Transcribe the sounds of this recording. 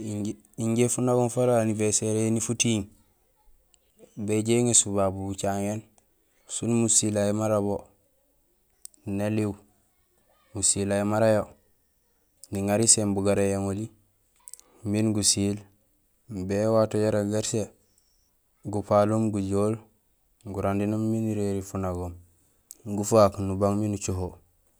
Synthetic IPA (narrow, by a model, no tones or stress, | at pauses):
i | iɲɟefunaɡunfaɾaːniveseɾenifutiŋ | beɟeŋesubabubut͡ʃaŋen | sunmusilajemaɾaβo | naliw | musilajimaɾajo | niŋaɾisembuɡaɾejaŋoli | minɡusil | bewatoɟaɾaɡaɾse | ɡupalumɡuɟoːl | ɡuɾandinomːiniɾeɾifunaɡom | ɡufaknubaŋminut͡ʃoɦo